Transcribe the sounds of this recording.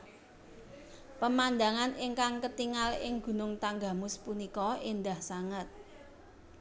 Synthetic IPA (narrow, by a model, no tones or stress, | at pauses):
pəmand̪aŋanɪŋkaŋkət̪iŋalɪŋɡ̥ṳnʊŋt̪aŋɡa̤mʊspunikɔind̪ahsaŋət̪̚